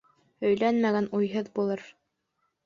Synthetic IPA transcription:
ɵ̆jlænmæɡænujɦɤðbulˠɤɾ

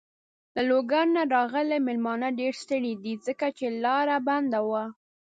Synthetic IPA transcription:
laloɡaɾnaɾɑɣəlemɪlmɑnəɖeɾst̪əɽid̪id͡zəkat͡ʃelɑɾaband̪awa

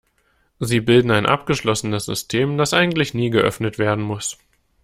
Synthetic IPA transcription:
ziːbɪldn̩aɪnʔa̰pɡ̥əʃlɔsənəsz̥ʏ̰stʰeːmd̥asʔaɪɡŋ̩tlɪçniːɡəʔœ̰fnətv̥eːɐdn̩mʊs

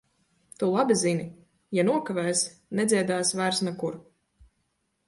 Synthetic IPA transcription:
t̪ulˠabizinʲi | januɔkavɛːsnɛd̪zʲiɛd̪aːsvæɾsnakuɾ

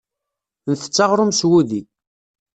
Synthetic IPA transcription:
nθə̥t͡sːɑʁɾˤʊmswuði

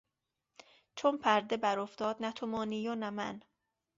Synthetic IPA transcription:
t͡ʃʰonpʰæɾd̪ebæɾoft̪ɒːd̪̚næt̪ʰomɒːnijɒːnæmæ̰n

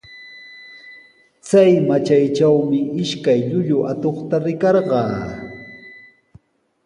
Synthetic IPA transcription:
t͡sajmat͡ʃajt͡ʃawmɪʔɪʃkajʎʊʎʊʔat̪oχt̪aɾɪkɑɾɢɑː

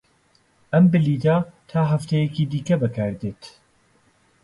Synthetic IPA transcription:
ʔɐmbɪliːt̪at̪ʰaːɦɐft̪ɛjɛkiːd̪iːkɐbɐkʰaːɾd̪eːt̪

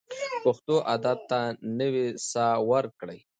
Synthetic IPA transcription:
paxt̪oʔad̪at̪ːanəwisawəɾkɽəj

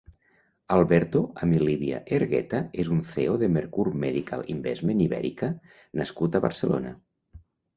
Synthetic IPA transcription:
alˠβɛɾt̪oamiliβia̰ʔeɾɣɛ̰t̪aezunθeoðemeɾkuɾmeðikʰa̰limbɛzmeniβɛ̰ɾikə | naskut̪aβə̰ɾselo̰na̰

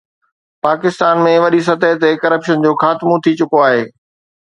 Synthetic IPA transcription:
paːkɪst̪aːnmẽʋɐɗis̬ɐt̪əɦt̪ekɐɾəpʃənd͡ʑoːxaːt̪mut̪ʰit͡ɕʊkoaːɦeː

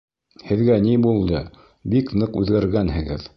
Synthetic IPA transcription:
hɘ̆ðɡænibulˠd̪ɤ | biknɤqʉðɡæɾɡænhɘ̆ɡɘð

